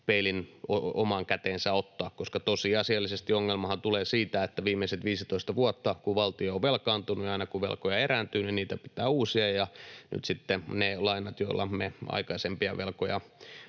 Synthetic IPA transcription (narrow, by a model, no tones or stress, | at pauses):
peilinoo̰mɑŋkæt̪eːnsæot̪ːɑːkkoskɑt̪osiɑsiɑlːisest̪ioŋːelmɑhɑnt̪uleːsiːt̪æet̪ːæʋiːmːˑeiset̪ʋiːsit̪oist̪ɑʋuɔt̪ːɑkuʋɑlt̪ioːʋʋelkɑːnt̪unujɑinɑkuʋḛlkojɑerænt̪yːninniːt̪æpi̥t̪æːuːsiɑjɑny̰t̪sit̪ːenelɑinɑt̪joilːɑ̰meɑ̰ikɑisempiɑʋelko̰jɑ̰